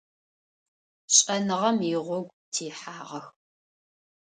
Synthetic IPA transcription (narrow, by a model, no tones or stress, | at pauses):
ɕʼɐnɨʁɐmjɪʁʷɔɡʷtʰiːħaːʁɐx